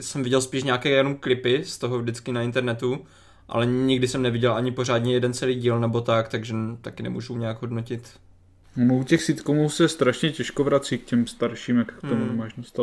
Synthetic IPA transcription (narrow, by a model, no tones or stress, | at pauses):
sɛmvɪɟɛlspiːʃɲaːkɛːjanumklɪpɪst̪oɦovdɪt͡skɪnaɪnt̪ɛɾnɛt̪u | ʔa̰lɛɲɪɡdɪsɛmnɛvɪɟɛlʔaɲɪpo̞raːdɲɛjɛdɛnt͡sɛliːɟiːlnɛbo̞t̪akt̪aɡʒɛt̪akɪnɛ̰mṵːʒuɲɛjaɡɦo̞dnocɪt̪ | onoucɛxsit̪komuːsɛst̪ɾaʃɲɛcɛʃkovɾat͡siːkcɛmst̪aɾʃiːmjakkt̪omunɛmaːʃdost̪a